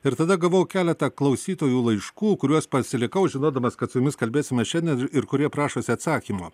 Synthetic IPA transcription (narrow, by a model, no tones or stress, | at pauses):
ɪɾt̪ɐd̪ɐɡɐʋoʊkʲæːlʲɛt̪ɐklˠɐʊsʲiːt̪oːjuːlˠɐɪʃkuːkʊɾʲuɔspɐsʲɪlʲɪkɐʊʒʲɪnoːd̪ɐmɐskɐt̪sʊjʊmʲɪskɐlʲbʲeːsʲɪmʲɛʃʲɛnʲd̪ʲɛnɪɾkʊɾʲiɛpɾɑːʃoːsʲɪɐt̪sɑːkʲiːmoː